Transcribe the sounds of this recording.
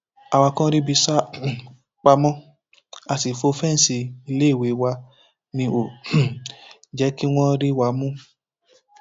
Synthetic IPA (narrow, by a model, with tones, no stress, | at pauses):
a˧wa˧kã˦ɾi˦bi˧sa˦ | k͡pa˧mɔ̃˦ | a˧˨si˨fo˧˦fɛ˦n̩˨si˧i˧le˦˨we˨˦wa˧ | nĩ˧o˨ | d͡ʒɛ˨˦ki˦w̃ɔ̃˦ɾi˦wa˧˦mũ˦